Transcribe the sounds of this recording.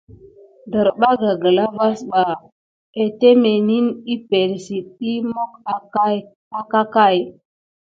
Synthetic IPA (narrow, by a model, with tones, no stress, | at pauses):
də˨ɾɓa˦ɡa˨ɡə˨la˦va˦sɓa˨ | e˨te˦me˨ni˦ni˦pe˨ɾsi˨t̚i˦mo˦k | a˦ka˦ka˦˨j